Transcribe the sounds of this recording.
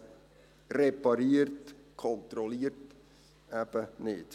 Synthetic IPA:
repɑɾiərtkʰɔnt̪ɾɔliərt | æb̥ənɪ̰t

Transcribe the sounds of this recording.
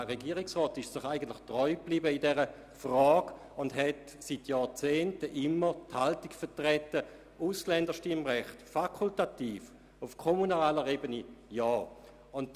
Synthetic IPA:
ʁeɡiːʁɪksʁɔːtɪʃsd̥ɔχaɪɡəntlɪχtʁɔʏbliːbəidɛʁə | fʁɔːɡ̥ | ʊndɦɛt | sitjɑːt͡seːntəʔɪmːəthaltikfətʁɛtə | uslɛndəʃtɪmʁɛχtfakʰultatiːf | ufkʰomunaːləʁebənijɔː | ʊnd

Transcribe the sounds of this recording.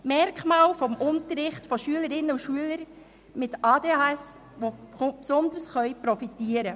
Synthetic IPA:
mɛɾkχmɑːlfɔmʔʊntəɾːɪχtfɔʃyələɾɪnːəuʃyələɾ | mɪtɑːdeːɑɛs | ʋopsɔnd̪əɾsχœʏpɾɔfitiːəɾə

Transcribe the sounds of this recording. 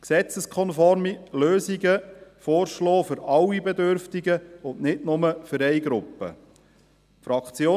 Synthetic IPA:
ksɛt͡səskʰɔnfɔɾmiløːziɡəfɔːɾʃlɔːfʏɾɑwibɛd̪øɾftiɡəʊndnɪtnʊməfʏɾɛɪɡɾʊpːə̰ | fɾɑkt͡sjoː

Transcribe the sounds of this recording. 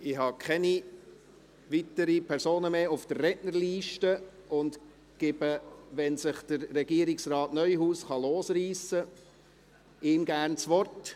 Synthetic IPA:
ɪɦɑkʰɛni | ʋit̪əɾipʰɛɾsoːnəmeːʊfd̥ərːɛʔnəɾliːʃtəʊnd | ɡ̥ɪbəʋɛnsɪχd̥əɾːɛɡiəɾɪksrɑːtnœʏɦuːsχɑloːsriːsə | ɪːmɡæːrnt͡sʋɔrt

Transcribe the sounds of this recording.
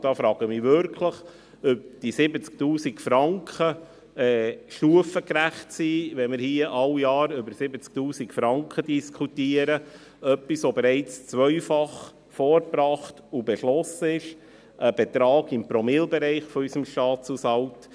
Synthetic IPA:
d̥ɑːfɾɑːɡ̥əmiːʋʏɾkʰləχ | ʏp̚d̥isɪbət͡sktuːsikfɾɑŋkχə | ɛːʃtuəfəkɾæχtsiːʋɛmɪɾhiəʔɑljɑːɾʏbəɾsɪbət͡sk̚tuːsikfɾɑŋkχədiskχutiːəɾə | œpːisʋobeɾɛɪt͡st͡sʋœɥfɑχ | fɔːɾpɾɑːχtubɛʃlɔsəɪʃ | ʔəb̥ɛt̪ɾɑːɡɪmpɾɔmɪlbɛɾɛɪχfɔysəmʃtɑːtt͡susɑwt

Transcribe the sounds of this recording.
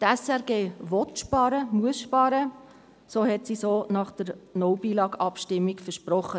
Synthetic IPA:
tɛsɛʁɡeːʋɔtʃpɑːɾəmuəsʃpɑːɾə | soːhɛtsisoːnɑχd̥əɾnɔwbiːlɑːɡɑpʃtɪmːikfəʃpɾɔχːə

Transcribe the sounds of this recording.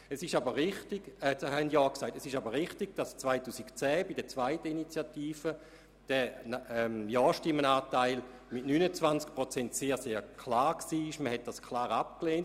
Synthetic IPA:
ɛsɪʃabəʁɪχtɪɡ̥ɛt͡shɛndjɔːksaɪtɛsɪʃabəʁɪχtiɡ̥̚d̥ast͡svaɪtuːsikt͡sɛːbidɛt͡svaɪtəinit͡sjatiːfə | d̥ɛɛmjɔːʃtɪmːənaːtaɪl | mɪtnynət͡svant͡sk̚pʁot͡sɛntseːɐseːkʰlaːʁksiːɪʃməhɛt̚d̥askʰlaːʁap̚kleːnt

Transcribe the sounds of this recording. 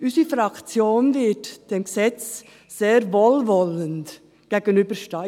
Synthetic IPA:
ʔysəfɾɑkt͡sjoːnvɪtd̥eːmɡəsɛt͡s | seːɾvoːlvɔlənt | ɡ̥eːɡ̥ənyːbəʃtɑ

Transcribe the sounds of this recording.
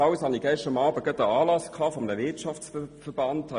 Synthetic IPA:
aʊshɑniɡ̥ɛʃtɑmɑːbəɡ̥œtəɑːlɑskʰɑːfɔmənəvɪɐtʃɑft͡sfəbɑnthɑ

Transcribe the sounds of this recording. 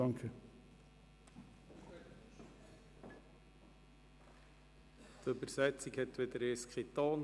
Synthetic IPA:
ɑŋkʰə | t̪øbəɾsɛt͡sikhɛt̪ʋɪd̪əɾeskχit̪ɑːn

